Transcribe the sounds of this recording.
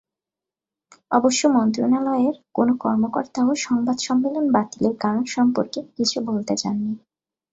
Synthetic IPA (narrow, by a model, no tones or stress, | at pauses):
ɔboʃːomɔnt̪ɾonaloeɾkonokɔɾmokoɾt̪aoʃɔŋbad̪ʃɔmːelonbat̪ileɾɡaɾonʃɔmpoɾkekit͡ɕʰubolt̪ed͡ʑa̰nːi